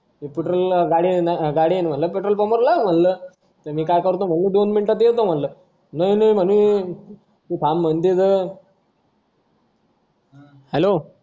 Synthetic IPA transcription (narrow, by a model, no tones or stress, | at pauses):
epeʈɾəlɡaɽinɡaɽinm̤ənləpeʈɾəlpəməɾlam̤ənləː | t̪əmiːkajkəɾt̪om̤ənluːd̪onminʈat̪̬jet̪om̤ənlə | nəinəim̤ənu | t̪it̪ʰam̤ːənt̪it̪ə | hɛlo